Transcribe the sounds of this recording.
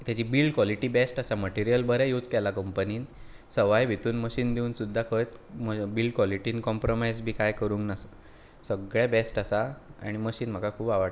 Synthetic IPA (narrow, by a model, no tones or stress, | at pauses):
t̪jat͡ɕiːbiːlɖkʋɔliʈiːbesʈasaməʈiɾijəlbəɾɛjuːd͡zkɛlakəmpəniːn | səʋajbʱit̪uːnməɕiːnd̪iuːnsud̪ʱːakʰəjt̪məbilɖ̚kʋɔliʈiːnkɔmpɾomajzbʱiːkajkəɾuːŋknasə | səɡɭjabesʈasaa̰ɽ̃iməɕiːnm̤əkakʰuːbaʋaɽ